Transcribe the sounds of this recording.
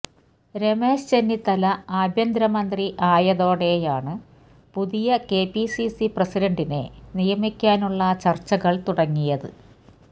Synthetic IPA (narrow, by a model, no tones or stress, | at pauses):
ɾe̞me̞ːʂt͡ɕe̞nːit̪ɐlɐaːbʱjɐnd̪ɾɐmɐnd̪riʔaːjɐðo̞ːɽe̞jaːɳɨ | puðijɐke̞ːpisisiprɐsiɾɐɳɖine̞̰nijɐmikʲːaːnuɭːɐt͡ɕɐrt͡ɕːɐɣɐɭt̪uɽɐŋːijɐðɨ̰